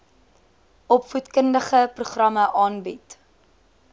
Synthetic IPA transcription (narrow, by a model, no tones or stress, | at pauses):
ʔɔpfutkəndəχəpruχrɐmɐʔɑːnbit